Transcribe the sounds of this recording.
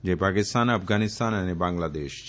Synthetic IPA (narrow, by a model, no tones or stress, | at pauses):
d͡ʒepaːkɪst̪aːnɐfɡaːnɪst̪aːnənebãːŋɡlad̪eːʃ